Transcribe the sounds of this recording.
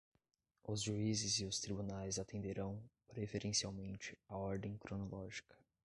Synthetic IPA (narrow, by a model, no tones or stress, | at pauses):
ʊzʒuizɪzɪʊst̪ɾibunajzat̪ẽnd̪eɾɐ̃w̃pɾefeɾẽsiawmẽnt͡ʃɪaɔɾd̪ẽj̃kɾonolɔʒikʰɐ̥